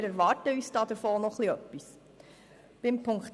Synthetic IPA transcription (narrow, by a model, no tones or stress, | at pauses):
ɾɛɾʋɑːɾtəyːsd̥ɑːd̥̪əɾfɔːnɔχliœpːis | b̥ɪmpʰʊŋk